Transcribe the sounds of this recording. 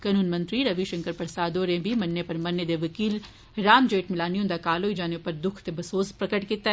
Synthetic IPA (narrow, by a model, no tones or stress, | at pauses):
kanuːnmɐ̃nt̪ɾiɾɐʋiʃɐ̃ŋkəɾpɐɾsaːd̪oːɾẽbʱimɐnːepɐɾmɐnːed̪eʋɐkiːl | ɾaːmd͡ʒeːʈmɪlaːniõnd̪akaːloːid͡ʒaːnepɐɾd̪ʊkʰt̪ebɐsoːspɾɐkəʈkit̪a